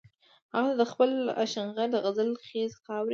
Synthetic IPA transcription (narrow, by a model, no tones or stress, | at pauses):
haɣɑt̪ad̪əxpəla̰ʃaŋɣad̪əɣazəlxezxɑwɾi